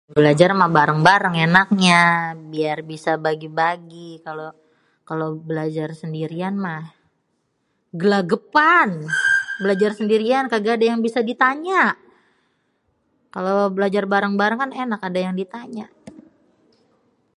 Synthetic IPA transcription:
bəlad͡ʒarmahbaɾəŋbaɾəŋenak̚ɲabiarbisabaɡibaɡikalo | kalobəlad͡ʒarsəndiɾianmah | ɡəlaɡəpanbəlad͡ʒarsəndiɾiankaɡaːdajaŋbisadit̪aɲaʔ | kalobəlad͡ʒarbaɾəŋbaɾaŋkanenakadajaŋdit̪aɲaʔ

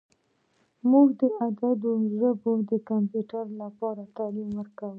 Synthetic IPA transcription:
muɡd̪əʔad̪ad̪oʒəbod̪əkampjuʈaɾlapɑɾat̪ɑlimwəɾkawu

